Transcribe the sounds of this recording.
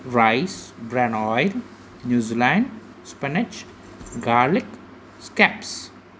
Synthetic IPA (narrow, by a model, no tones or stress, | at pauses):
ɾaɪsbɾɛ̃nɔjɾ | njuzilãn | spɛnɪt͡ʃ | ɡaɾlɪk | skɛps